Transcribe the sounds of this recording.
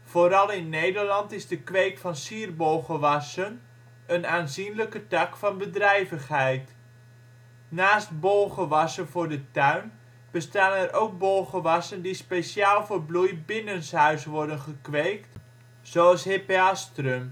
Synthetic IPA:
v̥oɾɑlˠɪnːejdərlɑntɪzdəkʋejkfɑnsiːrbowχəʋɑsən | ənaːnzinləkətɑkfɑnbədrɛjvəχɦɛjt | naːst̚boːχəʋɑsənvʊːɹdətœɥn | b̥əstaːɛrʔowk̚bolχəʋɑsəndispesjaːlˠvoːrblujbɪnənshœɥsʋɔɹdənχəkʋejkt | z̥oɑlˠsɦepeastrøm

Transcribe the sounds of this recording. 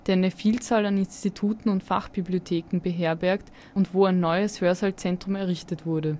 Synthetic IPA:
d̥eːɐnəfiːlt͡saːlanɪnstitʰuːtn̩ʊntfa̰χb̥ibliotʰeːkŋ̩bəɦeːɐbɛɐkt | ʊntv̥oːæɪnːɔʏəshøːɐzalt͡sɛntʁ̥ʊmɛɐʁɪçtətv̥ʊɐdə

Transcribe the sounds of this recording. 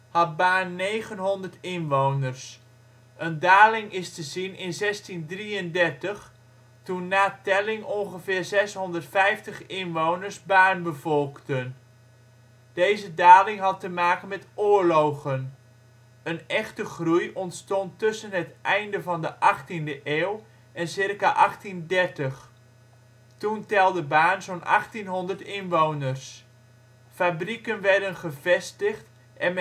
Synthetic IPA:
hɑt̚baːnːejχənɦɔndəɹtɪnʋownərs | ʔəndaːlɪŋɪstəzinɪnzɛstindriəndɛrtəχ | tunːaːtɛlɪŋɔnχəvɪːrzɛsɦɔndərtfɛjftəχɪnʋownəɹsbaːnbəvɔlˠktən | d̥ejzədaːlɪŋɦɑtəmaːkənmɛtʊːɹlowχən | ənɛχtəχrujʔɔntstɔntːɵsənɦətʔɛjndəvɑndəʔɑχtindəʔeːw | ʔɛnsɪrkaʔɑχtindɛrtəχ | tuntɛlˠdəbaːnzonʔɑ̰χtinɦɔndərtɪnʋownərs | fabrikənʋɛrdənχəvɛstəχt | ʔɛn

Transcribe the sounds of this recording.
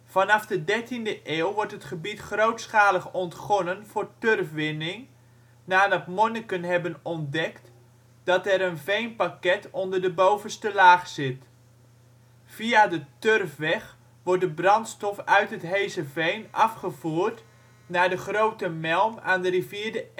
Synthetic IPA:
fɑnɑfdədɛɹtindəʔeːwˠʋɔɹtɦətχəbitχrowtsχaːləχɔntχɔnənvʊːɹtørfʋɪnɪŋ | naːdɑtmɔnəkənɦɛbənɔndɛkt | d̥ɑtɛɾənvejnpakɛtɔndərdəbowvənstəlaːχsɪt | v̥iadətørfʋɛχ | ʋɔɹdəbrɑntstɔfœɥtɦətɦejzəvejnɑfχəvuːɹt | naːdəχrowtəmɛlˠma̰ːndəriviːɹdə

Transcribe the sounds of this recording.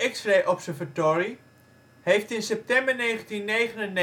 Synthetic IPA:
ɛksreːʔɔpsəɹvatoːɹi | hejftɪnsɛp̚tɛmbəɹnejχəntinːejχənənːe

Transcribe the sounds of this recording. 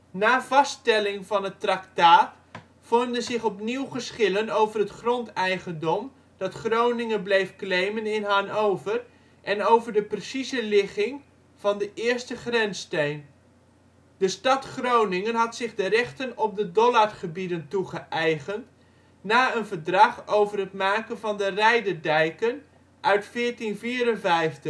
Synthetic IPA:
naːvɑstɛlɪŋvɑnɦətraktaːt | fɔndənzɪχɔpniwχəsχɪlənowvərɦətχrɔntɛjχəndɔm | d̥ɑtχrownɪŋənblejfklejmənɪnɦanowvər | ʔɛnowvəɹdəprəsizəlɪχɪŋ | v̥ɑndəʔɪːɹstəχrɛnstejn | d̥əstɑtχrownɪŋənɦɑtsɪχdərɛχtənɔp̚dədɔlarχəbidəntuχəʔɛjχənt | naːənvəɹdrɑχowvərɦətmaːkənvɑndərɛjdərdɛjkən | ʔœɥtfɪːɹtinviːrənvɛjftə

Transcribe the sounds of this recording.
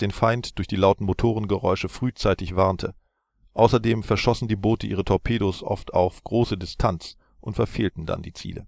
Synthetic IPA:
d̥eːnfaɪntd̥ʊɐçd̥iːlaʊtn̩motʰoːʁ̞ənɡəʁɔ̰ʏʃəfʁ̥yːt͡saɪtɪçv̥aɐntʰə | ʔaʊsɐdeːmfɛɐʃɔsn̩diːboːtəʔiːʁ̞ətʰɔpʰeːɾosʔɔ̰ftʰa̰ʊfɡ̥ʁoːsədɪstʰant͡s | ʔʊntfɛɐfeːltn̩da̰ndiːt͡sḭːlə̰

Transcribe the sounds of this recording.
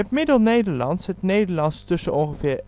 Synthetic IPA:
ətmɪdəneːdəlɑ̰ntshət̪neːdəlɑnst̪ɵsəoːʁəfeː

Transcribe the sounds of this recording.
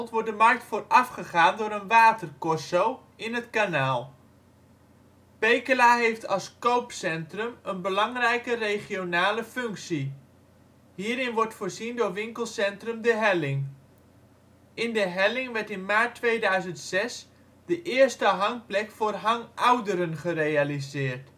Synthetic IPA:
ntʋɔt̚dəmɑrk̚tfʊːrɑfχəχaːndʊːɾənʋaːtərkɔsow | ɪnɦətkanaːlˠ | pejkəlaɦejftʰɑlˠskowpsɛntrəmənbəlɑŋrɛjkərejχionaːləfɵŋksi | ɦiːɾɪnʋɔrtfʊːɹzindʊːɹʋɪŋkəlˠsɛntrɵmdəɦɛlɪŋ | ɪndəɦɛlɪŋʋɛɹtɪnmaːɹtːʋejdœɥzəntsɛs | dəʔɪːrstəɦɑŋplɛkfʊːrɦɑŋʔawdəɾənχərejalizɪːrt

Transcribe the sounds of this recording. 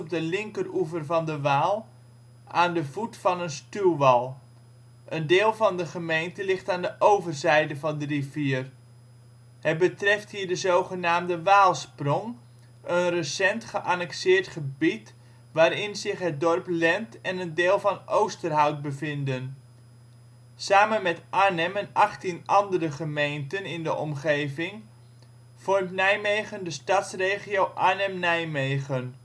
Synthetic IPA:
b̚dəlɪŋkəruvərvɑndəʋaːlˠ | ʔaːndəvutfɑnənstylˠʋɑlˠ | ʔəndɪːlˠvɑndəχəmejntəlɪχtaːndəʔowvərzɛjdəvɑndəriviər | hət̚bətrɛfthiːɹdəzowχənaːmdəʋaːlˠsprɔŋ | ʔənrəsɛntχəʔanɛksɪːrtχəbit | ʋaːɾɪnzɪχɦət̚dɔrplɛntɛnəndeːlˠvɑnowstərɦʌwt̚bəvɪndən | saːmənmɛtʔaːnɛmɛnʔɑχtinɑndərəχəmejntənɪndəʔɔmχejvɪŋ | v̥ɔrmtnɛjmejχəndəstɑtsreːχiowʔanɛmnɛjmejχən

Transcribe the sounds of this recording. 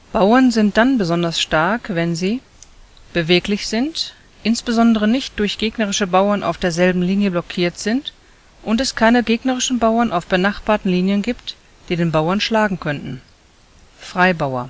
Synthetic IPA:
b̥aʊɐnzɪnt̚d̥anbəzɔndɐsʃtaɐkvɛnziː | b̥əveːklɪçz̥ɪnt | ʔɪnsb̥əzɔndəʁ̞ənɪçt̚d̥ʊɐçɡ̥eːɡnəʁɪʃəbaʊɐnʔa̰ʊfd̥eːɐzɛlbm̩liːnjəblɔkʰiːɐtz̥ɪnt | ʔʊntɛskʰaɪnəɡeːɡnəʁɪʃn̩baʊɐnʔaʊfb̥ənaχb̥aːɐtn̩liːnjənɡiːpt | d̥iːdeːnbaʊɐnʃlaːɡŋ̩kʰœntn̩ | fʁ̥aɪbaʊɐ̰

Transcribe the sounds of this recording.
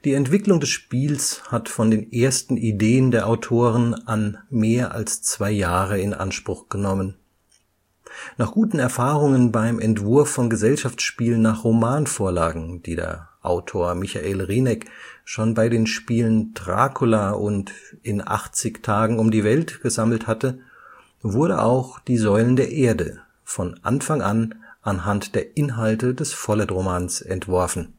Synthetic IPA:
d̥iːɛntv̥ɪklʊŋdɛsʃpiːlshatfɔndeːnʔeːɐstn̩ideːəndeːɐʔaʊtʰoːʁənʔanmeːɐʔa̰lst͡sv̥aɪjaːʁəɪnʔa̰nʃpʁ̥ʊχɡ̥ənɔmən | naːχɡ̥uːtn̩ɛɐfaːʁʊŋənbaɪmʔɛntv̥ʊɐfːɔnɡəzɛlʃaft͡sʃpiːlənːaːχʁomaːnfoːɐlaːɡŋ̩d̥iːdḛːɐʔa̰ʊtʰoːɐmɪça̰ʔeːlʁiːnɛkʃoːnbaɪɾeːnʃpiːləndʁa̰ːkʰolaʔʊntɪnʔa̰χt͡sɪçtʰaːɡŋ̩ʊmdiːvɛltɡ̥əzaml̩thatə | vʊɐdəa̰ʊxd̥iːzɔʏləndeːɐʔeːɐdə̰ | fɔnʔa̰nfaŋʔanʔanɦantd̥eːɐʔɪnɦaltədɛsfɔlɛtʁomaːnsʔɛntv̥ɔɐfn̩

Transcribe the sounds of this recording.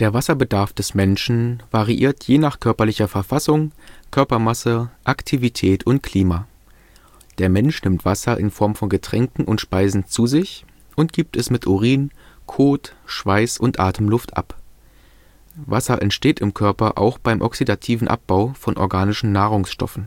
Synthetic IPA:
d̥eːɐvasɐbədaɐfd̥ɛsmɛnʃn̩vaʁiʔḭːɐtʰjeːnaːχkʰœɐpɐlɪçɐfɛɐfasʊŋkʰœɐpɐmasəʔaktʰivitʰɛːtʰʊnt̚kʰl̥iːmaː | d̥eːɐmɛnʃnɪmtv̥asɐʔɪ̰nfɔɐmfɔnɡətʁ̥ɛŋkŋ̩ʔʊntʃpaɪzn̩t͡suːzɪç | ʔʊntɡ̥iːp̚tɛsmɪtʔoʁiːnkʰoːtʃv̥aɪsʊntʔaːtʰəmlʊftʔa̰p | vasɐʔɛ̰ntʃteːtɪmkʰœɐpɐʔa̰ʊxb̥aɪmʔɔksidatʰiːvn̩ʔa̰p̚b̥aʊfɔnʔɔ̰ɐɡaːnɪʃn̩naːʁʊŋsʃtɔ̰fn̩

